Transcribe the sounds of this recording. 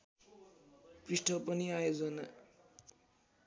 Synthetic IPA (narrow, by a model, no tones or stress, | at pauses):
priʂʈʰʌpʌniajod͡zʌna